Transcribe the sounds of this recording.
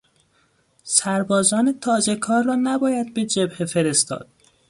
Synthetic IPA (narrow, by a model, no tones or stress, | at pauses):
sæɾbɒːzɒːnet̪ʰɒːzekʰɒːɾːɒːnæbɒːjæd̪̚be̞d͡ʒebhefeɾest̪ɒ̰ːd̪̥